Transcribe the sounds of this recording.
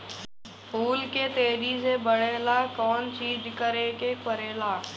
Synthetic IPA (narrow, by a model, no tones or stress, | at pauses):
huːlkeːt̪eːɾizeːbəɽeːlaːkɔːnt͡ɕiːd͡ʒkəɾeːkeːkəɾeːlaː